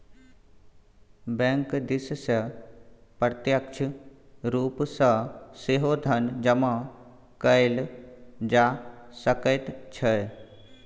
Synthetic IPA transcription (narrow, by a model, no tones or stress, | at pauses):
bẽŋkd̪issɐ | pɾət̪jəkt͡ʃʰɾuːpsəseɦod̪ʱɐnd͡ʒɐmã | kəld͡ʒasəkət̪t͡ʃʰə